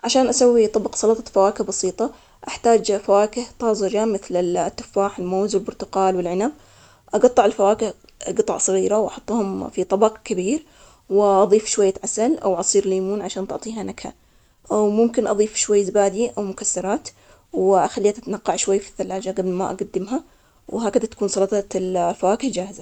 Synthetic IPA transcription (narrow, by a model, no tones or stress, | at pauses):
ʕaʃaːnʔasawːit̪ˤɑbɑqsˤɑlɑt̪ˤɑfawaːkɪhbɑsiːt̪ˤɑ | ʔaħt̪aːd͡ʒfawaːkɪht̪ˤɑːzˤɪd͡ʒamɪθlɪt̪ːʊ̥fːaːħɪlmoːzwɪlbʊɾt̪ʊqɑːlwɪlʕɪnab̚ | ʔɑɡɑt̪ˤːɑʕɪlfawaːkɪh | ɡɨt̪ˤɑ̰ʕsˤɑɣiːɾawʔɑħʊt̪ˤːhʊmfit̪ˤɑbɑqkabiːɾ | wɪʔɑðˤiːfʃwajːat̪ʕasalʔa̰wʕɑsˤiːɾliːmuːnʕaʃaːnt̪ʊʕt̪ˤiːɦanakha̰ | ʔawmʊmkɪnʔɑðˤiːfʃwajːzbaːd̪iʔawmʊkasːɑɾˤɑːt̪ | wʔaxalːiːat̪ʔat̪anaqːɑʕʃwajːfi̥θːalːaːd͡ʒaɡablma̰ʔa̰ɡad̪ːɪmɦa | wɦaːkad̪at̪ḁkuːnsˤɑlɑːt̪ˤɑtlfawaːkɪhd͡ʒaːhɪza